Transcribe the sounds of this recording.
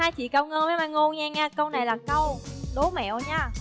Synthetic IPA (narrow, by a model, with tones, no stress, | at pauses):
haː˧jt͡ɕḭ˧˨kaə˧˩wŋə˧ma˨˦maː˧˩ŋo˧nɲaː˧ɲaː˧kə˧wna˨˩jlaː˨˩kə˧wɗo˨˦mɛ̰˧˨wɲaː˧˩